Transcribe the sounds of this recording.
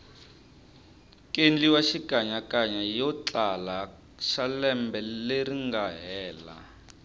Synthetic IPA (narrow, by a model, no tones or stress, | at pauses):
kʼend͡ɮiwaʃikaɲakʼaɲajɔt͡ɬala | ʃalɛmbɛleɾiŋɡaɦɛːla̰